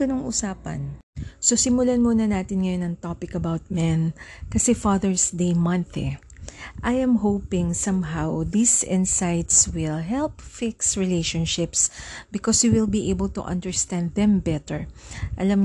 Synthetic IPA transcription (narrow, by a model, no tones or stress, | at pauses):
ɐnoŋʔʊ̰saːpɐ̰nsosɪmʊlanmunɐnaːt̪ɪnŋɐjonɐŋt̪opɪkɐbawt̪̚mɛnkɐsɛfaðɛɹsd̪ejmɐ̃nθɛ̰ | ʔajʔɛmɦowpɪ̃ŋsɐmɦawðisɪ̃nsajt̪swɪlɦɛlpfɪksɹɪlejʃɔnʃɪpsbɪkɔsjuwɪlbiʔejbɐlt̪ṵʔɐ̰̃nd̪ɛɹst̪ãnd̪ðɛ̃mbɛt̪ɛɹʔɐlam